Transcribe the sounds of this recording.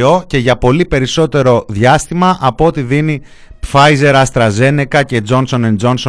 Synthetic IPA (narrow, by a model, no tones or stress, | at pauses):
o̞ce̞ʝɐpo̞lipe̞ɾiso̞t̪e̞ɾo̞ðʝɐst̪imɐʔɐpoot̪iðini | fɐjze̞ɾɐst̪ɾɐze̞ne̞kɐce̞d͡zo̞nso̞nend͡zo̞nso